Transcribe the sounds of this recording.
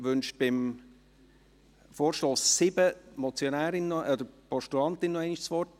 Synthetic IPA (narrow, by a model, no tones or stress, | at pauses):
ʋʏnʃb̥ɪm | foːɾʃtoːsːɪbəmɔt͡sjonæːɾɪnːɔɔd̪əɾpɔʃtuɑnt̪ɪnːɔɛɪniʃsʋɔɾt